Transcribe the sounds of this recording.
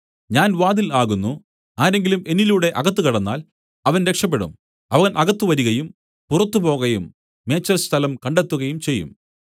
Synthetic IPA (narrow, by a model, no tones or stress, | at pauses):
ɲaːnʋaːd̪ilaːɣunːu | aːɾe̞ŋɡilume̞niluːɽe̞ʔɐɣɐt̪ːukɐɽɐnːaːl | ɐʋɐnɾe̞kʂɐp̬ːe̞ɽṵm | ɐʋɐɣɐnʔɐɣɐt̪ːuʋɐɾuɣɐjum | purɐt̪ːupo̞ːɣɐjumː | e̞ːt͡ɕːɐrst̪ʰɐlɐmkɐɳɖe̞t̪ːuɣɐjumt͡ɕe̞jːṵm